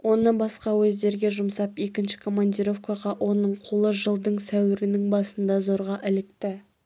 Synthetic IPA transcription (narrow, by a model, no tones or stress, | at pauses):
wʔo̞nəbɑsqɑwɵzd̪e̞ɾɡʲe̞ʒʊmsɑpe̞kʲɪnʃɪ̥kʰo̞mand̪ʲiɾo̞fkaʁɑʔwʔo̞nəɴqʰolˠəʒəlˠd̪əɴsæwɪɾɪnɪŋbɑsənd̪ɑzo̞ɾʁɑʔɪlɪkt̪ɪ